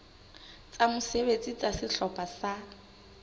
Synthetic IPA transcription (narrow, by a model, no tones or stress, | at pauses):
t͡sʼamʊseβet͡sʼit͡sʼasɪɬɔpʼasa